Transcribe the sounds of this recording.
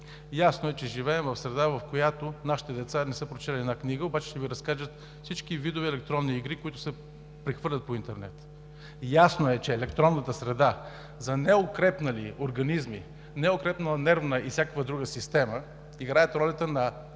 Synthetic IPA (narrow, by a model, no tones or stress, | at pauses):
jasnoɛt͡ʃɛʒivɛːmvɐfsɾɛd̪avɐfkojat̪onaʃi̥t̪ɛd̪ɛt̪sanɛsɤpɾot͡ʃɛlʲiɛd̪nakniɡəobat͡ʃɛ̥ʃt̪ɛviɾɐskaʒət̪ | fsit͡ʃkivid̪ʊvɛɛlɛk̚t̪ɾɔnːiːɡɾikoit̪ʊ̥sɛ | pɾɛxvɤɾlʲət̪point̪ɛɾnɛ̰t̪ | jasnoɛt͡ʃɛːlɛkt̪ɾɔnːət̪əsɾɛd̪a | zɐnɛokɾɛpnəlioɾɡɐnizmḭ | nɛokɾɛpnəlˠənɛɾvnəʔifsʲakəkvəd̪ɾuɡəsist̪ɛmə | iɡɾajət̪ɾɔlʲɐt̪ənɐ